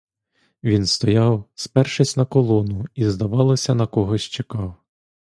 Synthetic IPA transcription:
ʋʲinst̪ɔjɑwspɛrʃɪsʲnɐkɔlˠɔnʊizd̪ɐʋɑlˠɐsʲɐnɐkɔɦɔsʲt͡ʃekɑw

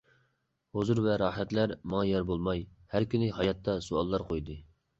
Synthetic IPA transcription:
hozuɾvɛɾɑhæt̪læɾmɑŋɑjɑɾbolˠmɑjhæɾkʲynɪhɑjɑt̪ʰːɑsoɑlˠːɑɾqʰojd̪ɨ

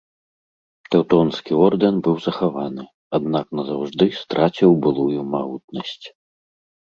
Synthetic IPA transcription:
t̪ɛwt̪ɔnskʲiɔrd̪ɨnbɨwzɐxavanɨ | ad̪naknɐzawʐd̪ɨst̪ɾʔat͡sʲiwbɨlˠujumaɣut̪̚nɐsʲt͡sʲ

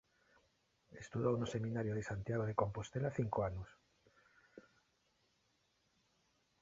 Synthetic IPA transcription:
est̪uðownosemĩnaɾjoð̞esant̪jaɣ̞oð̞eko̞mpost̪elaθiŋkoanus

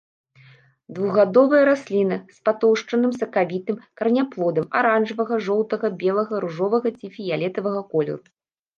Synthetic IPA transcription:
d̪vuɣad̪ɔvɐjɐɾasʲlʲinɐspat̪ɔwʂt͡ʂɐnɨmsɐkavʲit̪ɨmkɐrnʲaplˠɔd̪ɐma̰ɾanʐɨvɐɣɐʐɔw̪t̪ɐɣɐbʲɛlˠɐɣɐɾuʐɔvɐɣɐt͡sʲifʲijalʲɛt̪ɐvɐɣɐkɔlʲɛ̰ɾu

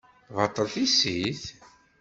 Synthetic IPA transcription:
vɑt̪ˤːəɾˤθisiθ

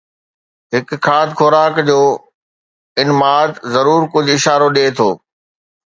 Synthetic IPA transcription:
ɦɪkkʰːaːt̪kʰoːɾaːkd͡ʑoː | ɪnmaːt̪zɐɾuːɾkʊd͡ʑʱɪʃaːɾoɗeːt̪ʰoː

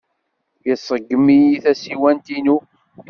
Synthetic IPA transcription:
jəsˤːəɡːəmijiθæsiwænt̪inu

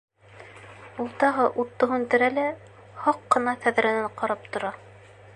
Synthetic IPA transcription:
ulˠt̪ɑɦɤʔut̪ːŏɦʉnt̪ɘ̆ɾælæ | hɑqːɤ̆nɑk̪æð̆ɾɘ̆næɴqɑɾɑp̚t̪ŏɾɑ

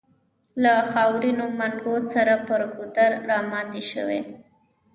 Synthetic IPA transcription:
laxɑwɾinomaŋɡosaɾapəɾɡʊd̪aɾɾɑmɑt̪eʃə̰wḛ

